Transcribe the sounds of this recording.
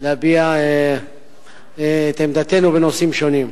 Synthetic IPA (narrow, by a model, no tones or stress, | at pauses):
leabiae | t̪emd̪at̪e̞nubeno̞simʃo̞nim